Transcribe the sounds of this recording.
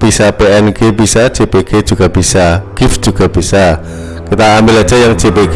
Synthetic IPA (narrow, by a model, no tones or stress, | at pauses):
b̥isapeɛnkebisḁd͡ʒepeɡ̥ed͡ʒuɡ̥ab̥isaɡ̥ɪfd͡ʒ̥uɡ̥ab̥isa | kit̪aːmbɪlḁd͡ʒ̥ajaŋd͡ʒ̥epeɡ